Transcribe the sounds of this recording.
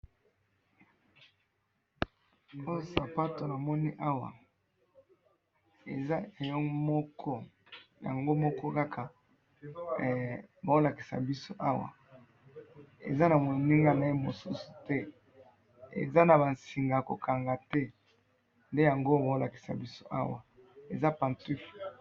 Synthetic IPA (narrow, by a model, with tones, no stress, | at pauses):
o˦jo˦sa˨pa˦to˨na˨mɔ˦ni˦ʔa˦wa̰˨ | e˨za˦e˨jɔ˦mɔ˦kʰɔ˦ | ja̰˨ŋɡo˦mɔ˦kɔ˦ka˦kʰa˨ | ba˨o˦la˨ki̥˨sa̰˨bi˦so˦ʔa˦wa̰˨ | ḛ˨za˦na˨mo˨ni˦ŋɡa˦na˨e˦mo˨su˦su̥˨tɛ˦ | ḛ˨za˦na˨ba˨nsi˨ŋɡa˨ko̰˨kʰa˨ŋɡa˨tɛ˦ | nde˦ja˨ŋɡo˦ba˨o˦la˨ki̥˨sa̰˨bi˦so˦ʔa̰˦wa˨ | e˨za˦pã˨nti˦f